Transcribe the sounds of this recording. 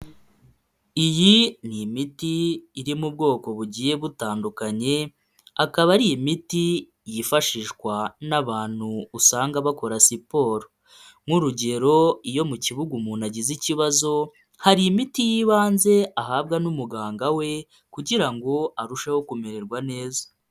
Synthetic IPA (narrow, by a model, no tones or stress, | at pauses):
ijinimitiːɾimub̚ɡo̞ːko̞βuɟiːje̞βutaːndukaɲe̞ | akaβaɾijimiti | jifaʃiːʃkwanaβaːn̥huusaːŋɡaβako̞ɾasipo̞ɾo | ŋ̥uɾuɟe̞ɾo̞ijo̞muciβuɡumuːnaɟiziciβazo̞ | haɾiimitijiːβaːnze̞aɦaːbɡanumuɡaːŋɡawe̞ | kuɟiɾaŋɡo̞aɾuʃeho̞kumeɾe̞ɾɡwane̞ːzḁ